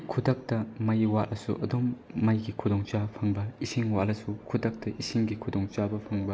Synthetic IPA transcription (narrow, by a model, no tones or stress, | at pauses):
kʰudɐk̚tɐmɐjwat̚lɐsṵʔɐdumːɐjɡikʰudɔŋt͡ʃapʰɐŋbɐisiŋwaʔlɐsukʰudɐk̚tɐʔisiŋɡikʰudɔŋt͡ʃabɐpʰɐŋbɐ